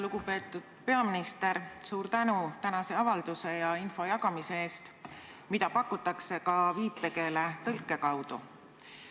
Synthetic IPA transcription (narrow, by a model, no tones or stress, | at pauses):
luɡ̥upe̞ːt̪ːˑud̪̥pe̞ɑminist̪e̞ɾsuːɾt̪ænut̪ænɑse̞ɑvɑld̪̥use̞jɑinfo̞jɑkɑmise̞e̞ːst̪ | mid̪ɑpɑkːˑut̪ːˑɑkse̞kɑviːpːe̞ke̞let̪ɤlkːˑe̞kɑwd̪̥u